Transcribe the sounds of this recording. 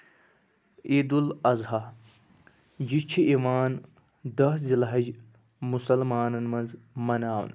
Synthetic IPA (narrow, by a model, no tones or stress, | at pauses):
iːd̪ulɐzɦɐ | d͡ʒit͡ʃʰiʔimaːn | d̪ɐszilɐɦɐd͡ʒ | musɐlmaːnɐnmɐnzmɐnaːw̰n